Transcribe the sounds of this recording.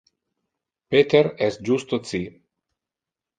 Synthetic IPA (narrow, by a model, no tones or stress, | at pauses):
pet̪eɾɛs̚d͡ʒust̪osi